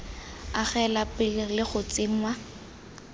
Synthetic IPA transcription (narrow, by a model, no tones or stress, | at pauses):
aχɛlapɪllɪχʊt͡sʼɪwa